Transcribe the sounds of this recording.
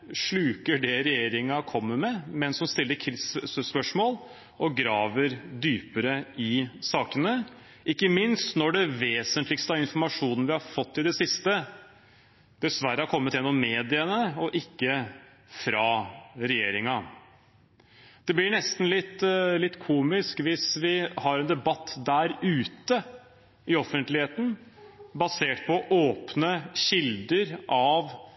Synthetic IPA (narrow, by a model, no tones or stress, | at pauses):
ʂɭʉːkəɖɛɾɛjeːɾɪŋɑkʰɔmːəmɛmɛnsɔmst̪ɪlːəɾkʰɪsspœʂmoːl | ʔɔɡɾɑːʋəɾd̪yːpəɾəɪsɑːkənə | ʔɪkːəmɪnst̪nɔɖɛʋeːsənt̪lɪkst̪əɑɾɪnfɔɾmɑʂuːnnəʋɪhɑɾfɔt̪ːɪd̪ɛsɪst̪ə | d̪̥ɛsʋæɾəhɑɾkʰɔmːət̪jɛnːɔmːeːd̪ɪənəɔʔɪkːə | fɾɑɾɛjeːɾɪŋɑ | d̪̥ɛblɪɳɛst̪n̩lɪt̪ːlɪt̪ːkʰuːmɪskʋɪsʋɪhɑɾɛnd̪ɛbɑt̪ːd̪æːɾʉːt̪ə | ɪɔfənt̪lɪheːt̪n̩bɑseːʈpʰɔʔoːpnəɕɪld̪əɾʔɑʋ